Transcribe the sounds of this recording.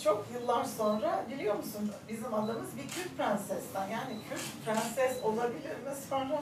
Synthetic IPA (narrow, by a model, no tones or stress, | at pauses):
t͡ʃʰo̞kjɯlˠːaɾso̞nɾabilʲijo̞ɾmusunbizimad̪amɯzbicʰyɾʲt̚pʰɾænsɛzt̪ænjaːnicʰyɾʲcpʰɾænsɛzo̞lˠabilʲiɾmɛsfana